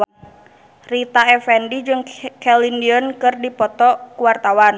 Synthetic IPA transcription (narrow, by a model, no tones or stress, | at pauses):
rit̪aɛfɛndid͡ʒɨŋkɛlindiənkɨrdipɔt̪ɔkuwart̪awan